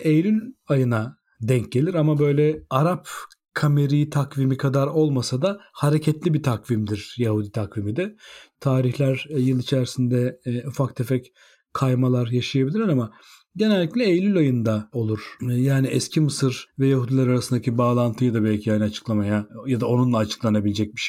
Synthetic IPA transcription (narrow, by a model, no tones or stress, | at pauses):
ejlʲylʲajɯna | d̪ɛɲc̚ɟe̞lʲiɾamabø̞jlʲɛaɾap | kʰameɾijt̪ʰakvimikʰad̪aɾo̞lˠmasad̪ahaɾecʰɛt̪lʲibit̪ʰakvimd̪iɾ̥jahud̪it̪ʰakvimid̪ɛt̪ʰaːɾiçlʲæɾjɯlˠit͡ʃʰæɾisind̪ɛufakt̪ʰefɛc | kʰajmalˠaɾjaʃajabilʲiɾʲiɾama | ɟe̞nɛlʲːiclʲɛejlʲylʲajɯnd̪ao̞lˠuɾ̥jaːniʔɛscʰimɯsɯɾvɛjaɦud̪ʲilʲˠaɾaɾasɯnd̪acʰibaːlˠant̪ʰɯjad̪abɛlʲcʰihajnat͡ʃʰɯ̥klˠamajajad̪ao̞nunlˠaːt͡ʃʰɯ̥klˠanabilʲɛd͡ʒɛc̚biʃ